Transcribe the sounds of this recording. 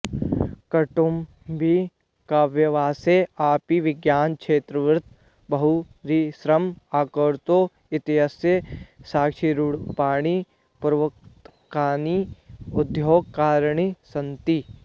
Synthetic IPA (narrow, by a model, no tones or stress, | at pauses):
kɐʈum | bi | kaːʋjɐʋaːseaːpiʋɪɡjaːnkʃʰeːt̪ɾɐʋɪɾt̪ | bɐɦu | ɾisɾɐmaːkəɾt̪oː | ɪt̪iɦasjəsaːkʃiɾuɽpaːɽ̃i | pɾɐʋɐkt̪ | kaːniʊd̪joːɡkaːɾɳ̃isɐ̃nt̪i